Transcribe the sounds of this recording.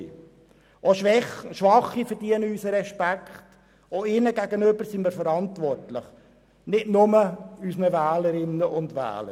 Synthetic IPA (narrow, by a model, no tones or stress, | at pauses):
ʔoʃʃʋɑχːifəɾd̥iənəysəɾɛʃpækχt | oɪnəɡæɡənʏbəɾsimiːɾfəɾɑntʋɔrtlɪχ | nɪtnʊməysnəvæːləɾɪnːəʔʊndʋæ̰ːlə